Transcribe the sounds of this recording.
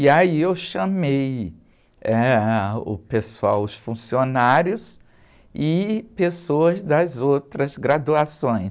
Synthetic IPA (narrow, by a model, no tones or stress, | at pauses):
iaiewʃɐmej | ɛʊ̰pesuawʊsfũsionaɾjʊs | ɪpesoɐzd̪ɐzowt̪ɾɐzɡɾad̪uasõj̃s